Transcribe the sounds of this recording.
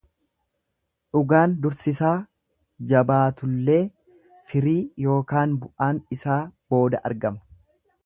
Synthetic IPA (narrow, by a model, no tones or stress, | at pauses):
ᶑʊɡaːnd̪ʊɾsɪsaː | d͡ʒɐbaːt̪ʊlːe̞ː | fɪɾiːjo̞ːkaːnbʊʔaːnɪsaːb̥o̞ːd̪ɐʔɐ̰ɾɡɐmɐ̥